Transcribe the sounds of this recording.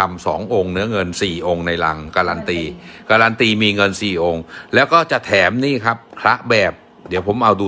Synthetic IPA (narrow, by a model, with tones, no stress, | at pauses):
a˧msɔ̰ː˩˦ŋʔo˧ŋnɯ˦˥ɐŋɤ˧nsiː˨˩ʔo˧ŋna˧jla˧ŋkaː˧ɾaː˧nt̪iː˧kaː˧ɾaː˧nt̪iː˧miː˧ŋɤ˧nsiː˨˩ʔo˧ŋlɛː˦˥wkɔː˥˩t͡ɕa˨˩t̪ʰɛː˩˦mniː˥˩kʰa˦˥p̚kʰɾa˦˥ʔbɛː˨˩p̚ | di˨˩˦əwpʰo˩˦mʔa˧wduː˧